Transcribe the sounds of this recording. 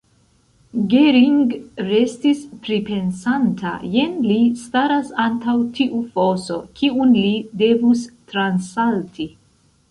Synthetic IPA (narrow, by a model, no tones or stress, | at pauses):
ɡeɾiŋɡɾe̞stispɾipe̞nsantʰa̰je̞nlistaɾasantawtʰiʔufo̞so̞̰kʰiunlide̞vustɾansaltʰi